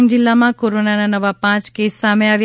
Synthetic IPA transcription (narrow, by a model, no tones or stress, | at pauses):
ŋɡd͡ʒɪlːamãkoɾonananəʋapãt͡ʃkesːameaʋj